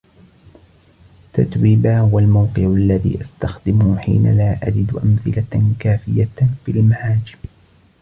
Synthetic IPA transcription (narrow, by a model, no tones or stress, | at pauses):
t̪a̰t̪wiːbaːhʊwalmawqɨʕʊʔalːaðḭːʔast̪axd̪ɪmʊħḭːna̰laːʔad͡ʒɪd̪ʔamθɪlakaːfɪjafilmahaːd͡ʒɪm